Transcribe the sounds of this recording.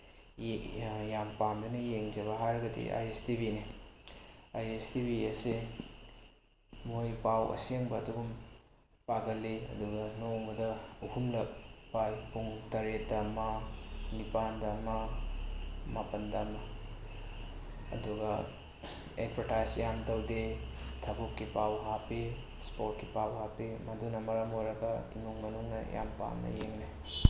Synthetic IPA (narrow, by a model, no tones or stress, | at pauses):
jampamdɐnɐjeŋd͡ʒɐβɐɦaɾɡɐdḭʔa̰jestibini | ajestibiɐsi | mojpawʔɐ̰seŋbɐːduɡum | paɡɐleɐ̰duɡɐnobɐdɐuhumlɐk̚pajpʰuŋtɐɾetdamɐnipandɐmɐ | mapɐndɐmɐ | ɐ̰duɡɐ | ḛdbʰɐɾtajsjamtɐwdetʰɐbukːipawɦapi | spot̚kipawhapimɐdunɐmɐɾɐmoɾɐɡɐḭmuŋmɐnuŋnɐ̰ja̰mpa̰mɐ̰jeŋne